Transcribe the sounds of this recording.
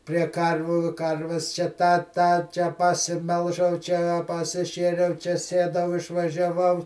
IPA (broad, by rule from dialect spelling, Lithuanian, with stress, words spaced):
pʲrʲiɛ ˈkɐrʲʋʲuː ˈkɐrʲʋʲɛs t͡ʃʲɛ ˈtɑː ˈtɑː t͡ʃʲɛ pɐsʲɪˈmʲɛlˠʒɐʊ ˈt͡ʃʲɛ ɐ pɐsʲɪˈʃʲeːrʲɛʊ t͡ʃʲɛ ˈsʲiɛdɐʊ ɪʃʋɐʒʲɛˈʋɐʊ